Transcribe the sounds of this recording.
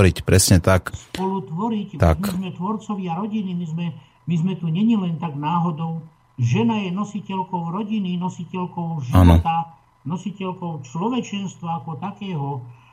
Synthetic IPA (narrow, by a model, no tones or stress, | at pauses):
ɾicpɾɛsɲɛt̪akspɔlut̪ʋɔɾict̪a̰kmizmɛt̪ʋɔɾt͡sɔʋɪaɾɔɟinimizmɛ | mizmɛt̪uɲɛɲilɛnt̪aɡnaːɦɔd̪ɔʊ | ʒɛnajɛnɔsicɛlkɔʊɾɔɟininɔsicɛlkɔʊʒiaʋnɔɔt̪a | nɔsicɛlkɔʊt͡ʃlɔʋɛt͡ʃɛnst̪ʋaːkɔt̪akɛːɦɔ